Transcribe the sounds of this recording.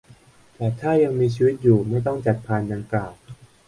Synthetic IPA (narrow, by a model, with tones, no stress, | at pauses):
t̪ɛː˨˩t̪ʰaː˥˩ja˧ŋmiː˧t͡ɕʰiː˧wi˦˥t̪̚juː˨˩ma˥˩jt̪̬ɔ˥˩ŋt͡ɕa˨˩t̪̚pʰaː˧nda˧ŋklaː˨˩w